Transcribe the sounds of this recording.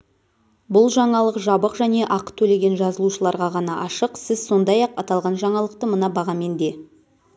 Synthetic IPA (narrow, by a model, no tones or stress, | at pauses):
bʊlˠʒɑɴɑlˠəqʒɑbəqʒæne̞ʔɑqət̪ʰɵle̞ɡʲe̞nʒɑzəlˠuʃəlˠɑɾʁɑʁɑnɑʔɑʃəqsɪz̥so̞nd̪ɑjɑqɑt̪ɑlˠʁɑnʒɑɴɑlˠəq̚t̪əmənɑbɑʁɑme̞nd̪e̞